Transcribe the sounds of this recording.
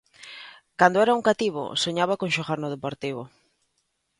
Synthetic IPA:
kand̪oɛɾauŋkat̪iβ̞o̰soɲaβakonʃoɣaɾnoðepoɾt̪iβ̞o

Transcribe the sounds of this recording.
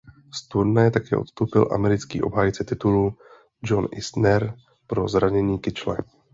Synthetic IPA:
st̪uɾnajɛt̪akɛːʔo̞t̪st̪owpɪlʔa̰mɛɾɪtt͡skḭːʔo̞̰bɦaːjt͡sɛt̪ɪt̪ulu | d͡ʒo̞nʔɪsnɛɾ | pɾo̞zɾaɲɛɲiːkɪt͡ʃlɛ̰

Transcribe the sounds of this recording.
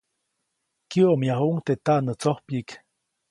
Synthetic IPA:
kioʔmjaɦuʔŋt̪et̪aʔnət͡sohpik

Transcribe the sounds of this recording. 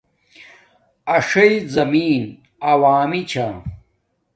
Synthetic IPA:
ɐʂɐjzɐmiːn | ɐwaːmit͡ɕʰa

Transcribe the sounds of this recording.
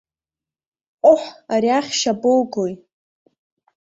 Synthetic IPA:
qʷʼʊħaɾiaχʲʃabolɡoj

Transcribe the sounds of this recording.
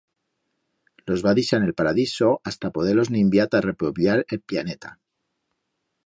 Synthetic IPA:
lo̞zβaðisane̞lpaɾaðiso̞ʔast̪apo̞ð̞elo̞znĩmbjat̪are̞poβjaɾe̞lplane̞t̪a

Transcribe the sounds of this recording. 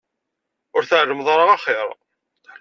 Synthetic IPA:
ʊɾθaʕʒəmðˤɾˤɑʁɑχeɾˤ

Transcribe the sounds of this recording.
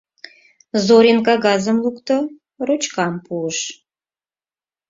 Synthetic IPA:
zoɾenkaɡɑzəmlˠukt̪ə | rut͡ʃkɑmpʰuləʃ

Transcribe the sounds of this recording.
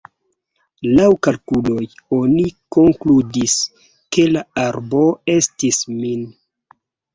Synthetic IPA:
lawkalkulo̞joniko̞ŋkludis | ke̞laaɾbo̞e̞stismin

